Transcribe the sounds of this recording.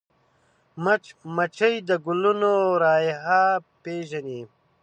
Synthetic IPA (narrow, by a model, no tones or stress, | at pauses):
mɐt͡ʃmɐt͡ʃɐjd̪əɡulunoɾaːjɦaːpeːʒɐni